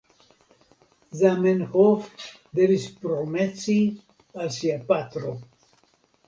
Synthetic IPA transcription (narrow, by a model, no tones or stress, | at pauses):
zamenhof | d̪evispɾomɛt͡si | alsiapat̪ɾo